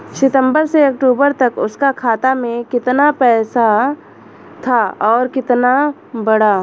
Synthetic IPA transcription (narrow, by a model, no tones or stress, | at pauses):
ʃɪt̪ə̃mbəɾseɐkʈuːbəɾt̪ɐkʊskakʰaːt̪amẽkɪt̪napɛːsa | t̪ʰaɔːɾkɪt̪na | bɐɽa